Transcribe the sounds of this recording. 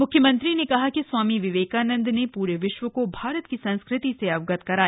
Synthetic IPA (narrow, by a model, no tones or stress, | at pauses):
mʊkʰːjəmɐ̃nt̪ɾinekɐɦakiswaːmiʋɪʋeːkaːnə̃nd̪nepuːɾeʋɪʃʋəkobʱaːɾət̪̚kisɐ̃nskɾɪt̪iseɐʋɡət̪kɐɾaː